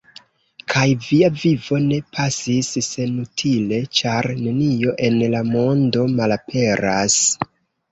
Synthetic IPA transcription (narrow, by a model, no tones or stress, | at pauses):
kʰajviavivo̞ne̞pʰasisːe̞nutʰile̞t͡ʃaɾne̞nio̞ʔe̞nlamo̞ndo̞malapʰe̞ɾas